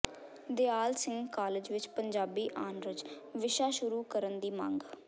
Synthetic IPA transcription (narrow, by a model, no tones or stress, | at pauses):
d̪eaːlsɪ̃ŋɡkaːlɪd͡ʒʋɪt͡ʃpəɲd͡ʒaːbiːʔaːnɾəd͡ʒʋɪʃaːʃʊɾuːkəɾənd̪iːmãːŋɡ